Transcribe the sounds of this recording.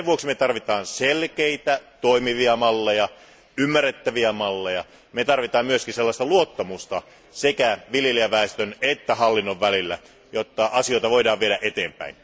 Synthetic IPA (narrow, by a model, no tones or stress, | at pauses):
eʋuoksimet̪ɑrʋit̪ɑːnselkeit̪æt̪oimiʋiɑmɑlːejɑ | ymːærːet̪ːæʋiæmɑlːejɑ | met̪ɑrʋit̪ɑːmmyøskinselːɑst̪ɑluot̪ːɑmust̪ɑ | sekæʋiljeliæʋæˑest̪ønet̪ːæhɑlːinːoʋʋælilːæ̰ | jot̪ːɑʔɑsioit̪ɑʋoidɑːʋʋieɾæʔet̪eːmpæ̰in